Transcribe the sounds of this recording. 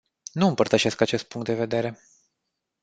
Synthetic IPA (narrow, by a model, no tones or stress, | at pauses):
nuɨmpərt̪əʃe̞skat͡ʃe̞st̪̚puŋkt̪d̪e̞ve̞d̪e̞ɾe̞